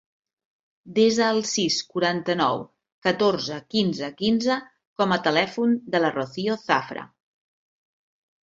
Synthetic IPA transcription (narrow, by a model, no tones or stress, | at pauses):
d̪ezəːlˠsiskuɾant̪ənɔw | kət̪oɾzəkinzəkinzə | kɔmət̪əlɛfund̪ələroθioθafɾə̰